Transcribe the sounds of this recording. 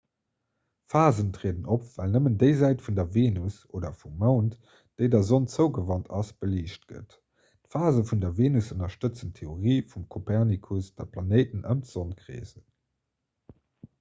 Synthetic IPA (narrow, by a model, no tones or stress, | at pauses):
faːzəntʁeədənopvælnəməndəɪzæɪtfundɐveːnus | oːdɐfumːaʊnt | d̥əɪdɐzont͡səʊɡəvɑntʰɑsb̥əliːʃt̚ɡ̥ə̰t | tfaːzəfundɐveːnusənɐʃtət͡səntʰːeoʁiːfumkʰopʰɛʁnikʰusd̥ɐpʰlɑneɪtənʔəmtz̥onkʁḛːzə